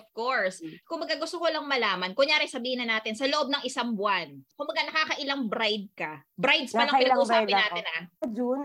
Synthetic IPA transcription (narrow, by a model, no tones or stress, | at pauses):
ʔofkoɹskʊmbɐɡaɡʊst̪okolɐŋmɐlaːmɐnkʊŋjaːɾɪjsɐbiːhɪnɐnaːt̪ɪnsɐloʔob̚nɐŋʔɪsaŋbwankʊmbɐɡanɐkaːkɐʔɪlaŋbɾajd̪̚kɐbɾajd̪sɐlɐpɪɐɡoaːpɪnaːt̪ɪnad͡ʒun